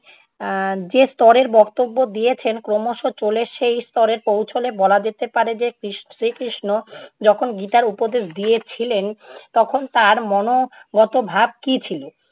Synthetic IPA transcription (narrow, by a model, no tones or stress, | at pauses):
d͡ʑest̪ɔɾeɾbɔkt̪obːod̪ijet͡ɕʰenkɾomoʃot͡ɕoleʃejst̪ɔɾeɾpowt͡ɕʰolebɔlad͡ʑet̪epaɾed͡ʑekɾiʃʃɾikɾiʃnod͡ʑɔkʰonɡit̪aɾupod̪eʃd̪ijet͡ɕʰilent̪ɔkʰont̪aɾmɔnoɡɔt̪obʱab̚kit͡ɕʰilo